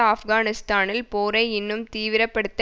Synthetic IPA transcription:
ɐfɡaːnɪst̪aːnɪlpoːɾɐɪɪnːɯmt̪iːʋɪɾɐpːɐɽɯt̪ː

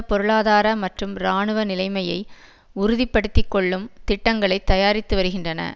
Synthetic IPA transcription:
pɔɾɯɭaːðaːɾɐmɐʈrɯmɾaːɳɯʋɐnɪlɐɪmɐjɐɪ | ʊɾʊðɪpːɐɽɯt̪ːɪkːɔɭːɯmt̪ɪʈːɐŋɡɐɭɐɪt̪ːɐjaːɾɪt̪ːɯʋɐɾɯɣɪndrɐnɐ̰

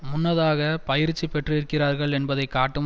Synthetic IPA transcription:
mʊnːɐðaːɣɐpɐjɪɾt͡ʃːipɛʈrɯɪɾɯkːɪraːɾɣɐɭɛnbɐðɐɪkːaːʈːɯm

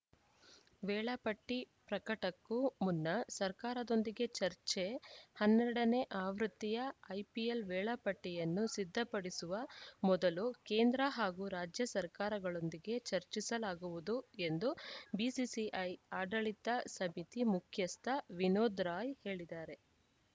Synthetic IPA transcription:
ʋɛːɭɐpɐʈːi | pɾɐkɐʈɐkːumunːɐsɐɾkaːɾɐd̪o̞nd̪iɡe̞t͡ʃɐɾt͡ʃehɐnːɛɾɐɽɐne̞ʔaːʋɾut̪ːijɐɐjpijelʋɛːɭɐpɐʈːɛjɐnːusid̪ʱːɐpɐɽisuʋɐmɔd̪ɐlukeːnd̪ɾɐɦaːɡuɾaːd͡ʒjɐsɐɾkaːɾɐɡɐɭo̞nd̪iɡe̞t͡ʃɐɾt͡ʃisɐlaːɡuʋud̪ue̞nd̪ubisisiʔɐjaːɖɐɭit̪ɐsɐmit̪imukʰjɐst̪ʰɐʋinoːd̪ɾaːjhe̞ːɭid̪aːɾe

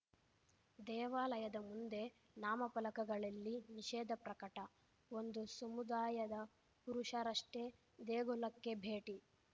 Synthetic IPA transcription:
d̪ɛːʋaːlɐjɐd̪ɐmund̪e̞ | naːmɐpɐlɐkɐɡɐɭɐlːiniʃɛːd̪ɐpɾɐkɐʈɐ | o̞nd̪usɐmud̪aːjɐd̪ɐ | puɾuʂɐɾɐʂʈe | d̪eːɡɔlɐkːe̞bʱe̞ːʈi

